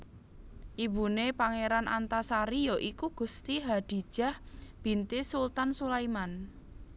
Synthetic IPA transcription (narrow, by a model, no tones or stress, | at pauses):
ʔibṳnepaŋeɾanʔant̪asaɾijɔʔikuɡ̥ṳst̪iɦad̪̥i̤̥ʒ̥a̤hb̥i̤nt̪isult̪ansulajman